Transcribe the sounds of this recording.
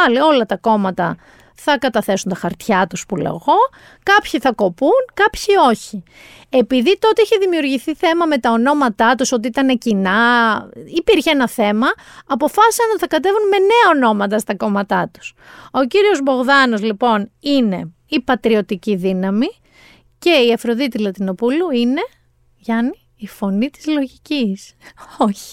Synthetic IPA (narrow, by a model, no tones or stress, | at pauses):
ɐlio̞lɐt̪ɐko̞mɐt̪ɐ | θɐkɐt̪ɐθe̞sunt̪ɐxɐɾt̪çɐt̪uspulḛɣo̞ | kɐpçiθɐko̞punkɐpçio̞çi | e̞piðit̪o̞t̪eiçeðimiuɾʝiθiθe̞mɐme̞t̪ɐo̞no̞mɐt̪ɐt̪uso̞t̪iit̪ɐne̞cinɐ | ipiɾçeenɐθe̞mɐː | po̞fɐsi̥sɐnot̪iθɐkɐt̪̬e̞vunme̞ne̞ɐo̞no̞mɐt̪̬ɐst̪ɐko̞mɐt̪ɐt̪u̥s | o̞ciɾio̞zbo̞ɣðɐno̞zlipo̞nine̞ | ipɐt̪ɾio̞t̪iciðinɐmi | ce̞iɐfɾo̞ðit̪ilɐt̪ino̞puluine̞ | ʝɐniːfo̞nit̪i̥zlo̞ʝicisoçi̥